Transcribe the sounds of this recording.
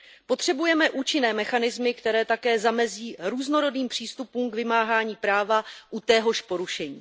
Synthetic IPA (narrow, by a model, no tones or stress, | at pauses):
po̞t̪r̝̥ɛbujɛmɛʔuːt͡ʃɪnɛːmɛxanɪzmɪkt̪ɛɾɛːt̪akɛːzamɛziːɾuːzno̞ɾo̞diːmpr̝̥iːst̪upuːmkvɪmaːɦaːɲiːpɾaːvaʔut̪ɛɦo̞ʃpo̞ɾuʃɛɲiː